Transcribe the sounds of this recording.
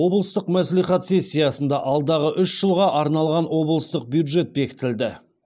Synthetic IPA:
wo̞blˠəst̪əqmæslijχɑt̪se̞sʲːijɑsənd̪ɑʔɑlˠd̪ɑʁəʔʏʃʒ̥əlˠʁɑʔɑɾnɑlˠʁɑnwo̞blˠəst̪əq̚bjud̪ʒe̞t̪̚be̞kʲɪ̥t̪ɪld̪ɪ

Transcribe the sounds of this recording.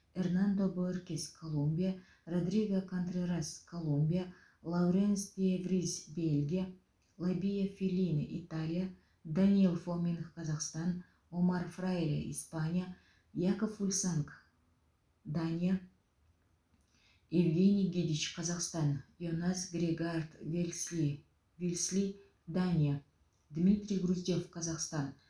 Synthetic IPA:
ernand̪o̞borkʲeskʰolˠumbʲija | rod̪rʲiɡakʰont̪rʲeɾaskʰo̞lˠumbʲija | lˠawɾʲenspʲevrʲisbʲelʲɡʲija | lˠabʲijafʲilʲinʔit̪alʲija | d̪anʲielˠfomʲenxqʰɑzɑqst̪ɑn | o̞marfrajlʲa̰ḭspanʲija | jakofulʲsaŋk | d̪anʲija | evɡʲe̞nʲijɡʲid̪ʲit͡ʃqʰɑzɑqst̪ɑnjonasɡrʲeɡart̪v | vʲilʲsʲlʲi | d̪anʲija | d̪mʲit̪rʲijɡruzʲd̪efqʰɑzɑqst̪ɑn

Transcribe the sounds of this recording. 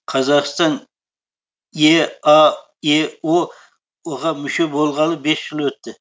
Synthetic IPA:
qʰɑzɑʁst̪ɑn | jeɑ | eo | woʁɑmʏʃe̞bolˠʁɑlˠəbe̞sʒ̥ɪlˠwɵt̪ːɪ

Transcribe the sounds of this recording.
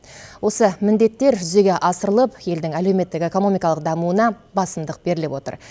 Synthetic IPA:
wo̞səmɪnd̪e̞t̪ːe̞ɾʒʏze̞ɡʲe̞ʔɑsəɾəlˠəpje̞ld̪ɪŋælewme̞t̪ːɪke̞ko̞no̞mijkɑlˠəq̚d̪ɑmuənɑ | bɑsəmd̪əq̚b̥e̞ɾɪlepwo̞t̪ə̰ɾ

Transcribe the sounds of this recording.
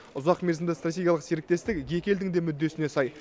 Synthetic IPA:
ʊzɑqme̞ɾzɪmd̪ɪst̪rat̪ʲe̞ɡʲjalˠəqseɾɪk̚t̪e̞st̪ɪkʲje̞kʲe̞ld̪ɪŋd̪e̞mʏd̪ːe̞sɪne̞sɑj

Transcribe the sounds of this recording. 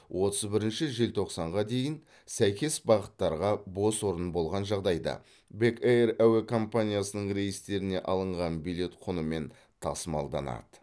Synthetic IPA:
wʔo̞t̪əzbɪɾɪnʃɪʒelt̪ʰo̞qsɑɴʁɑd̪e̞jɪn | sæjkʲe̞sbɑʁət̪ːɑɾʁɑbo̞swo̞ɾənbo̞lˠʁɑnʒɑʁd̪ɑjd̪ɑ̰ | be̞keeɾæwe̞kʰo̞mpanʲijasənəɴrʲe̞jɪst̪e̞ɾɪne̞̰ʔɑlˠəɴʁɑnbijle̞t̪qʰʊnəme̞n | t̪ʰɑsmɑlˠd̪ɑ̰nɑ̰d̪̥ə̥

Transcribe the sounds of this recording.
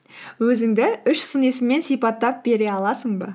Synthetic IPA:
wɵzɪŋd̪ɪʏʃsəne̞sɪmːe̞nsijpɑt̪ːɑp̚be̞ɾe̞ɑlˠɑsəɴbə̰

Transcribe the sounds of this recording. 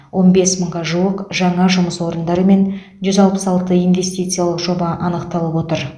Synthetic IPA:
wʔo̞nbe̞sməɴʁɑʒuwəqʒɑɴɑʒʊməswo̞ɾənd̪ɑɾəme̞n | ʒʏzɑlˠpəsɑlˠt̪əijnve̞st̪ijt̪sɨjɑlˠəqʒo̞bɑʔɑnəqt̪ɑlˠəpwo̞t̪əɾ

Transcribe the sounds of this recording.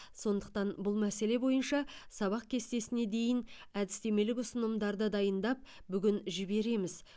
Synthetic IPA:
so̞nd̪əq̚t̪ɑnbʊlˠmæse̞le̞bo̞jənʃɑsɑβɑq̚kʲʰe̞st̪e̞sɪne̞d̪e̞jɪn | æd̪ɪst̪e̞me̞lɪkʊsənəmd̪ɑɾd̪əd̪ɑjənd̪ɑp̚ | bʏɡʲɪnʒɪbe̞ɾe̞mɪz

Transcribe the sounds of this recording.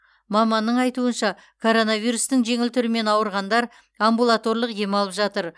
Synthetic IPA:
mɑmɑnːəɴɑjt̪uənʃɑ | kʰo̞ɾo̞nɑvijɾust̪əŋʒe̞ŋɪlt̪ʰʏɾɪme̞nɑwəɾʁɑnd̪ɑɾ | ambulˠat̪o̞rlˠəqj̪e̞mɑlˠəpʒɑt̪əɾ

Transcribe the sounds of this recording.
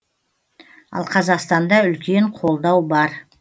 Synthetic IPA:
ɑ̰lˠqʰɑzɑqst̪ɑnd̪ɑʏlkʲe̞ɴqʰo̞lˠd̪ɑwbɑɾ

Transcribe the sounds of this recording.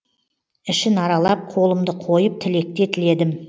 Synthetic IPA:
ɪʃɪnɑɾɑlˠɑp̚qʰo̞lˠəmd̪əqʰo̞jəp̚t̪ʰɪle̞k̚t̪e̞t̪ʰɪle̞d̪ɪm

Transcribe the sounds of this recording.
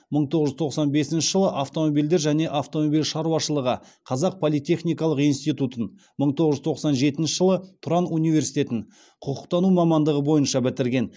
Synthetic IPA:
məɴt̪ʰoʁəʒʏzt̪ʰo̞qsɑnbe̞sɪnʃəʒəlˠəʔaft̪o̞mobild̪e̞ɾʒæne̞ʔaft̪o̞mobilʃɑɾuɑʃəlˠəʁə | qʰɑzɑq̚pʰolˠijt̪ʲe̞χnijkɑlˠəqijnst̪ijt̪ut̪ən | məɴt̪ʰoʁəʒʏzt̪ʰo̞qsɑnʒe̞t̪ɪnʃɪʒəlˠət̪ʰʊɾɑnunijve̞ɾsijt̪ʲe̞t̪ɪn | qʰʊqʰʊq̚t̪ɑnumɑmɑnd̪əʁəbo̞jənʃɑbɪt̪ɪɾɡʲe̞n

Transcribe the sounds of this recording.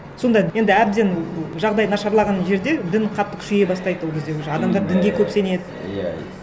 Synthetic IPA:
so̞nd̪ɑje̞nd̪ɪæb̚d̪e̞nʒɑʁd̪ɑjnɑʃɑɾlˠɑʁɑnʒe̞ɾd̪e̞d̪ɪnqʰɑt̪ːəkʰʲʏ̥ʃeje̞bɑst̪ɑjd̪əwo̞lˠkʰʲezd̪e̞kʰʲʃɑd̪ɑmd̪ɑɾd̪ɪŋɡʲe̞kʲʰɵpse̞ne̞d̪ɪ

